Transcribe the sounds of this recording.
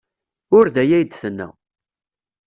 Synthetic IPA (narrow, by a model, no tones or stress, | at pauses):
ʊɾðæjæjd̪θənːæ̰